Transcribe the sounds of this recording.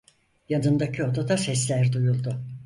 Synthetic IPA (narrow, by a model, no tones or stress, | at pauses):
janɯnd̪acʰio̞d̪ad̪asɛslʲæɾd̪ujulˠd̪ʊ